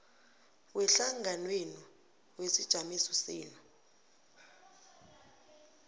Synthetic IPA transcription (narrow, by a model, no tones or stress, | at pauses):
wɛɬaŋʱanweni | wesid̥ʒ̥ʱamisɔsiːnu